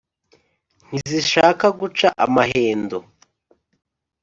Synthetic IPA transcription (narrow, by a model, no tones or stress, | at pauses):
n̥iziʃaːkaɡut͡ʃaʔamaɦe̞ːndo